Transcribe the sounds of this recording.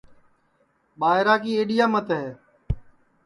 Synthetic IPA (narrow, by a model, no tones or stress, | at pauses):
ɓaːɪɾaːkiːeːɗɪjaːmət̪ɦeː